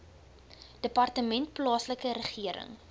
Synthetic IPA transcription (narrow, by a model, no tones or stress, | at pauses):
d̥əpɐrtəmɛnt̚plɑːsləkəɾəχiəɾə̰ŋ